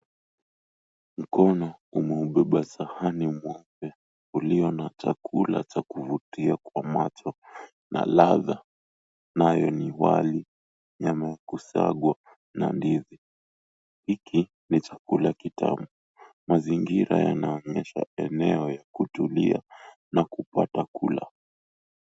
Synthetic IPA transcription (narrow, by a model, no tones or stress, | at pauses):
m̩kɔnɔumɛuɓɛɓasahanimwɔpɛ | uliɔnat͡ʃakʰula̰t͡ʃakuvutiakwamat͡ʃɔ | na̰laða | najɔniwa̰li | ɲamajakusa̰ɠwa | na̰ndiði | hikʰi | nit͡ʃakulajakitʰa̰mu | maziŋɡiɾa̰ja̰naɔɲɛʃa̰ɛnɛɔjakutulia | nakupatakula̰